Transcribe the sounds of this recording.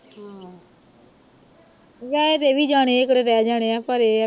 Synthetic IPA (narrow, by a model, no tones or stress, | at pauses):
ɦa | ʋɛːeːt̪eːʋiːd͡ʒaːɽ̃eːekɽeːɾɛːd͡ʒaːɽ̃eːaːpəɾeː